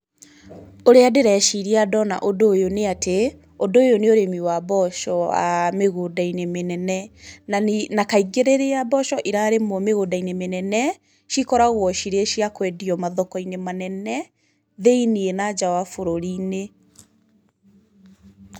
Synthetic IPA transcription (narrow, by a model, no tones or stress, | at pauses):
oɾeadeɾɛʃiɾiadɔna̰ʔodojoneate | ondoːjoneoɾemiwabɔʃɔa̰meɣodainemenɛnɛnanakaiɡeɾeɾeabɔʃɔʔiɾaɾemɔmeɣodainemenɛnɛ | ʃikɔɾaɣwɔʃiɾeʃiakwɛdiɔmaðɔkɔinemanɛnɛ | ðeinienad͡ʑawafoɾoɾine